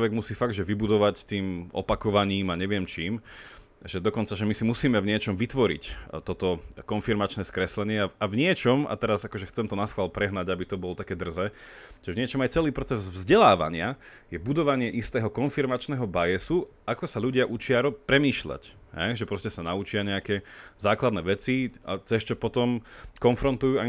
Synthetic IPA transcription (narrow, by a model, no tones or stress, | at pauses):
ʋɛɡmusiːfaɡd̪ʒɛʋibud̪ɔʋact̪iːmɔ̰pakɔʋaɲiːmaɲɛʋɪɛmt͡ʃiːm | ʒɛd̪ɔkɔnt͡saʒɛmisimusiːmɛvɲɪɛt͡ʃɔmʋit̪ʋɔɾḭct̪ɔt̪ɔkɔnfiɾmat͡ʃnɛːskɾɛslɛɲɪɛaavɲɪɛt͡ʃɔma̰t̪ɛɾazakɔʒɛxt͡sɛmt̪ɔnasxʋaːlpɾɛɦnaɟabit̪ɔbɔlɔt̪akɛːd̪r̩zɛːʒɛvɲɪɛt͡ʃɔmajt͡sɛliːpɾɔt͡sɛzvzɟɛlaːʋa̰ɲɪa | jɛbud̪ɔʋaɲɪɛʔist̪ɛːɦɔkɔnfiɾmat͡ʃnɛːɦɔbajɛsu | akɔsaʎuɟɪaʔut͡ʃɪaɾɔpɾɛmiːʃʎa̰cɦɛ̰jʒɛpɾɔscɛsanaut͡ʃɪaɲɛakɛzaːklad̪nɛːʋɛt͡sia̰t͡sɛst͡ʃɔpɔt̪ɔmkɔnfɾɔnt̪ujuːa